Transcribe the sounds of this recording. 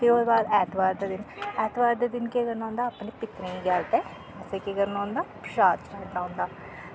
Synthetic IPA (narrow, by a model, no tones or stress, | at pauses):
t̪eːod̪baːd̪ɛːt̪ʰʋaːɾd̪aːd̪ɪnɛːt̪ʋaːɾd̪aːd̪ɪnkekəɾnãːʊ̃nd̪aːpneːpɪt̪ɾĩːɡɛːlt̪ɛː | ɛːseːkeːɡəɾnaːʊ̃nd̪aːpʃaːt͡ʃkɛːʈːãːʊ̃nd̪aː